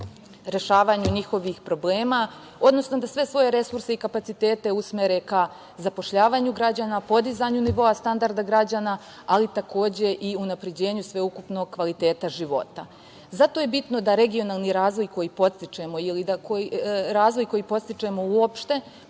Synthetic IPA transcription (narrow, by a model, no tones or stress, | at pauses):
ɾe̞ʃaːʋaɲuɲixo̞ʋixpɾo̞ble̞ːma | o̞d̪no̞sno̞d̪asʋe̞sʋo̞je̞ɾe̞suɾseikapat̪sit̪e̞ːt̪e̞usme̞ɾe̞ka | zapo̞ʃʎaːʋaːɲuɡɾad͡ʑaːnapo̞d̪izaɲuniʋo̞ast̪and̪aɾd̪aɡɾad͡ʑaːna | alit̪akʰo̞ːd͡ʑe̞ʔiunapɾe̞d͡ʑe̞ːɲusʋe̞ukupno̞ɡ̚kʋalit̪eːt̪aʒiʋo̞̰t̪a̰ | zat̪o̞je̞bit̪no̞d̪aɾe̞ɡio̞naːlˠniɾaːzʋo̞jko̞jiːpo̞t̪st̪it͡ʃemo̞ilid̪akoɾaːzʋo̞jko̞jiːpo̞st̪it͡ʃemo̞uopʃt̪e̞